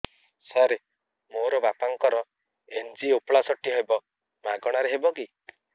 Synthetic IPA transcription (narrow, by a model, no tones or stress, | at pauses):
sɔɾe | moɾɔbapaŋkɔɾɔ | end͡ʒiopɭasɔʈːiɦebɔ | maɡɔɽ̃aɾeɦebɔki